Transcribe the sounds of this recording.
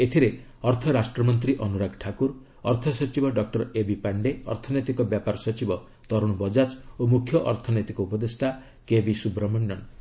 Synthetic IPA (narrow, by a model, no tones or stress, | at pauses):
et̪ʰiɾe | ɔɾt̪ʰɔɾasʈɾɔmɔnt̪̬ɾiʔɔnuɾaɡʈʰakuɾ | ɔɾt̪ʰɔsɔt͡ʃibɔɖɔk̚ʈɔɾebipaɳɖeɔ̰ɾt̪ʰɔnɔjt̪ikɔbjapaɾɔsɔt͡ʃibɔ | t̪ɔɾuɽ̃ubɔd͡ʒat͡ʃomukʰjɔʔɔɾt̪ʰɔnɔjt̪ikɔupɔd̪esʈʰa | kebisubɾɔmɔnɖɔn